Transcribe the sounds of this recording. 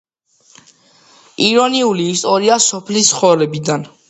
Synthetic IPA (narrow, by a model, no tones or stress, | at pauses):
iɾɔniuliːst̪ʼɔɾiasɔpʰlist̪sχɔvlɛbid̪an